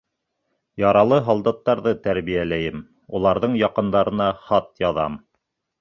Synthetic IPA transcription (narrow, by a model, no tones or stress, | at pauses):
jɑɾɑlˠɤɦɑlˠd̪ɑt̪ːɑɾðɤt̪æɾβijælæjɘm | ulˠɑɾðɤɴjɑqɤ̆nd̪ɑɾɤ̆nɑχɑt̪̚jɑðɑ̰m